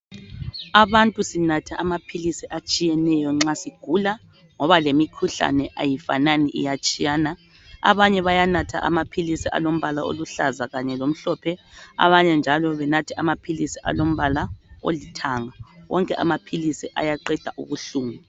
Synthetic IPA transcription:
aβantʼusinatʰaʔamapʰilisiʔat͡ʃʼijɛnɛjɔŋ͡ǁasiɡ̥ʱula | ŋɔβalemikʰuɬa̰nɛʔajifa̰naniʔḭjat͡ʃʼijaːna | a̰βaɲɛβajanatʰa̰ʔa̰mapʰilisiʔa̰lom̩βalao̰luɬazaɣaɲɛlom̩ɬɔpʰɛa̰βaɲɛnd͡ʒʱalɔβɛnatʰiamapʰilisiʔa̰lom̩βalao̰litʰaŋawɔ̰ŋkʼɛʔa̰mapʰilisiʔa̰jaǃɛd̥ʱa̰ʔṵβuɬuːŋu

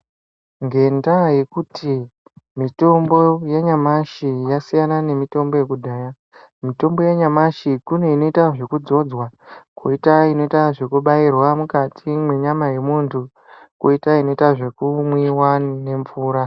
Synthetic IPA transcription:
ŋɡe̞ndaje̞kutʰi | mito̞mbo̞jeɲamaʃijasijanane̞mito̞mbo̞jekudʱaːja | mito̞mbo̞jeɲamaʃikune̞ino̞itaʐe̞kud͡zo̞d͡zwako̰itaino̞itaʐe̞kuɓairwamukatʰimwe̞ɲamaje̞muntʰu | ko̰itaino̞itaʐe̞kumwiwane̞ɱvuːɾa

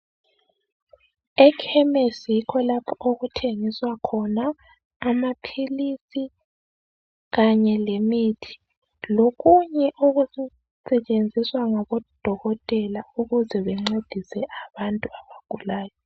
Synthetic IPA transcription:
ɛkʰɛmesjikʰɔlapʰɔʔoɣutʰeŋiswakʰɔnaː | mapʰilisi | ɣaɲɛlemiːtʰi̥ | loɣuɲɛʔuɣu | sɛt͡ʃʼend͡zʱiswaŋaβɔd̥ʱɔɣɔtʼɛlauɣuzɛβɛŋ͡ǀed̥ʱisɛʔaβantʼuaβaɡ̥ʱulaːjɔ

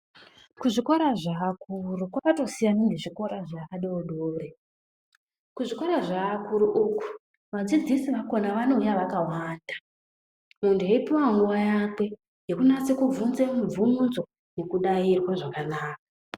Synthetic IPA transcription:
kuʐikoɾaʐaːkurukwakato̞sijaniŋɡeʐiko̞ɾaʐakaɗeoɗoːre | kuʐiko̞ɾaʐaːkuɾuʔuku̥ | ʋad͡zid͡zisiʋako̞naʋano̞ujaʋakawaːndʱa | muntʰueipiwaŋɡuʋajakwe | jekunat͡sekuvunzemuvumunzo̞ | ne̞kuɗairwaʐakanaːkḁ

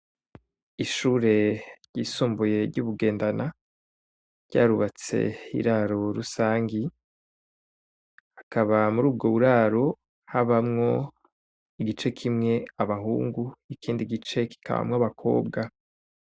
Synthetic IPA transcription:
iʃuːɾe̞ɾjɟiːsuːmbuje̞ɾɟuːβuɡe̞ːndana | ɾɟ̥a̰ːɾuβat͡se̞̰ḭɾaɾo̞ɾusaːŋɡi | hakaβamuɾuːb̚ɡoβuɾaːɾo̞ | haβamŋo̞ | iɡit͡ʃe̞kʰimŋe̞aβaɦuːŋɡuikʰiːndiɡit͡ʃe̞ki̥kʰaβa̰mŋaβakʰo̞̰ːb̚ɡa

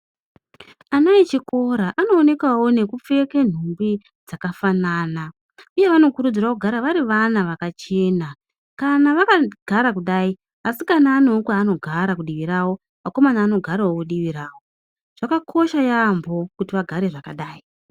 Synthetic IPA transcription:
anait͡ʃiko̞ɾaʔano̞ːne̞kwawo̞ne̞kup͡fe̞ke̞n̤umbi | d͡zakafanaːna | uje̞ʋano̞kuɾud͡zirakuɡʱaɾaʋaɾiʋanaʋakat͡ʃe̞ːna | kanaʋakaɡ̥ʱaɾakuɗai | asikanaːnokwaːno̞ɡʱaɾakuɗiʋiɾawo̞ | mako̞manaːno̞ɡʱaɾawokuɗiʋiɾaːwo̞ | ʐ̥akakʰo̞ʃajambo̞kutiʋaɡʱaɾe̞ʐakaɗaːi

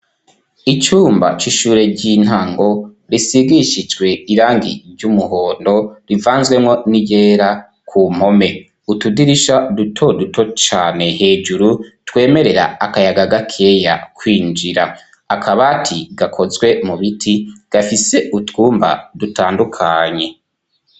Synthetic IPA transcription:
it͡ʃuːmba̰t͡ʃiʃuːɾe̞ɟin̥haŋɡo̞ | ɾisiɡiʃid͡ʒɡwe̞iɾaːŋɡḭɾɟumuɦo̞ːndo̞ɾivaːnzɡwe̞mŋo̞nije̞ːɾa | kʰum̥ho̞me̞ | utudiɾiʃadutʰo̞dutʰo̞t͡ʃaːne̞he̞ːd͡ʒuɾutwe̞ːme̞ɾe̞ɾa̰akajaɡaɡakʰe̞ja̰kʰwiːnd͡ʒiɾa | akʰaβatʰiɡakʰo̞zɡwe̞muβitʰiɡ̥afise̞ʔutkuːmba̰dutaːndukʰaɲe̞

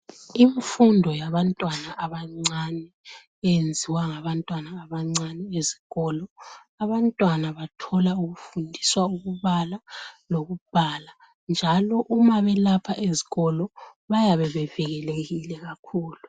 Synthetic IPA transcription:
iɱfundʱɔjaβantʼwanaʔaβaŋ͡ǀanɛː | jend͡zʱiwaŋaβantʼwanaːβaŋ͡ǀanɛezi̥ɣɔlɔ | aβantʼwanaβatʰɔlauɣufundʱiswauɣuβalaloɣub̥ʱala | nd͡ʒʱalɔʔumaβɛlapʰaʔeziɣɔlɔβajaβɛβɛvɛɣɛleɣilɛɣakʰuːlu

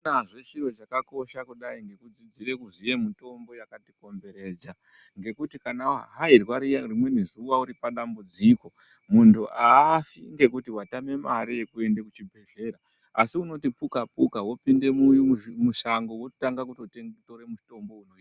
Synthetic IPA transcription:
aʐe̞t͡ʃiro̞t͡ʃakako̞ʃakuɗaiŋɡe̞kud͡zid͡ziɾe̞kuzije̞mito̞mbo̞jakatiko̞mbe̞ɾe̞ːd͡za | ŋɡe̞kutikanaɦairwaɾiarimwe̞nizuʋauɾipaɗambud͡ziko̞muntʰuʔafiŋɡe̞kutiwatame̞maɾije̞kue̞ndekut͡ʃibʱe̞ɮe̞ːɾa | asiuno̞tipukapukawo̞pinde̞mujumuʃaŋɡowotaŋɡakutoteŋtoɾemuto̞mbo̞unoia

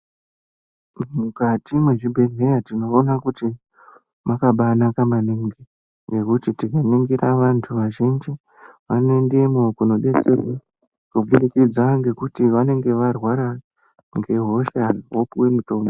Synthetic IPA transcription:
mukatimweʐibʱe̞ɮe̞jatino̞ːnakuti | makaɓanakamaniŋɡi | ŋɡe̞kutitikaniŋɡiraʋantʰuʋaʒind͡ʒi | ʋano̞endemokuno̞ɗe̞t͡serwa | kuɓulikid͡zaŋɡe̞kutiʋane̞ŋɡe̞ʋarwaɾa | ŋɡe̞ɦo̞ʃarɦopuwe̞muto̞ːmbo

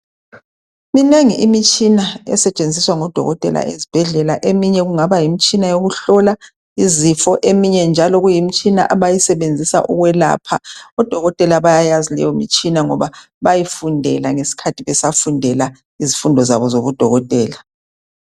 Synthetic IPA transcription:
mineŋiʔimit͡ʃʼinaɛ̰sɛt͡ʃʼend͡zʱiswaŋɔd̥ʱɔ̰ɣɔtʼɛ̰la̰ʔezib̥ʱɛɮɛlaʔemiɲɛɣuŋaβajimit͡ʃʼinajoɣuɬɔla | izifɔʔemiɲɛnd͡ʒʱalɔɣujimit͡ʃʼina̰ʔaβajisɛβend͡zʱisa̰ʔuɣwɛla̰ːpʰaɔd̥ʱɔɣɔtʼɛlaβajajazilɛ̰jɔmḭt͡ʃʼinaŋɔβa | βajifundʱɛlaŋesi̥kʰatʰiβɛsafundʱɛla | izifundʱɔzaβɔzoβud̥ʱɔɣɔtʼɛːla

